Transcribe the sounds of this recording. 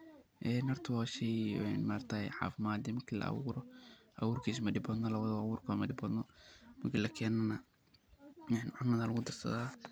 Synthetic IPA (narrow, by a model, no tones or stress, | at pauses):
ʔɛnɐrt̪ʰɐwɑːʃɛjɛ̰nmaːrt̪ʰaːħa̰ːfɪmaːd̪imɐkʰilɐ̰ʔɐ̰wuːɾɔʔɐwuːrkʰiːs̬mɐɖɪbɔd̪nɔlɐβɐðɐwuːrkʰɔmɐɖɪbɔd̪nɔmɐkʰiːlɐkʰɛːnɐnɐ | ɛnʕʊmɐðalɐɣʊd̪ɐsɐ̰ðaː